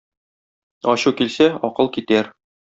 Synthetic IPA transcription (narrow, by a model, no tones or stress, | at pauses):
ɒɕukilsæɒqɤlˠkit̪æɾ